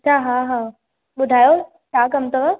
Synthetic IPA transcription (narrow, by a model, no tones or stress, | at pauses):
t͡ɕʰaːɦaɦaː | ɓʊd̪ʱaːjo | t͡ɕʰaːkɐmt̪o